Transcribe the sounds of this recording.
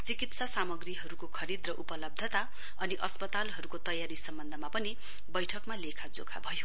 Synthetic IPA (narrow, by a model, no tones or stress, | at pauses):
t͡sikit̪sasamʌɡriɦʌɾukokʰʌɾid̪rʌʔupʌlʌb̚d̪ʱʌt̪a | ʌniʔʌspʌt̪alɦʌɾukot̪ʌjaɾisʌmbʌnd̪ʱʌmapʌni | bʌjʈʰʌkmalekʰad͡zo̰kʰa̰bʱʌjo